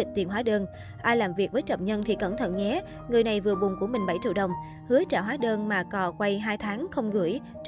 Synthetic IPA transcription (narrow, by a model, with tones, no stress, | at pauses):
i˨˩k̚t̪i˨˩nɦwaː˨˦ɗəː˧n | ʔaː˧jlaː˨˩mvi˨˩ək̚vəː˨˦jt͡ɕə̰˧˩wŋ͡mɲə˧nt̪ʰi˨˩kə˧˩mt̪ʰə̰˧˨nɲɛ˨˦ | ŋɨ˨˩əjna˨˩jvɨ˨˩əɓʊ˨˩ŋ͡mku˧˩əmï˨˩ŋ̟ɓa˧˩jt͡ɕḭ˧˨əwɗə˨˩wŋ͡m | hɨ˨˦ət͡ɕa̰ː˧˩ɦaː˨˦ɗəː˧nmaː˨˩kɔ˨˩kwa˧jɦaː˧jt̪ʰaː˨˦ŋxə˧wŋ͡mɣɨ˧˩əj